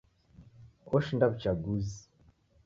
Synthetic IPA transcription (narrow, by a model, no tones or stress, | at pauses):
oʃindaβit͡ʃaɡuzi̥